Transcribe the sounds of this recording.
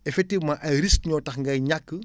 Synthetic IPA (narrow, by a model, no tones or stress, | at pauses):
ɛfɛk̚tivmãʔɐjɾiskɲɔːtɐxŋɡɐjɲakːə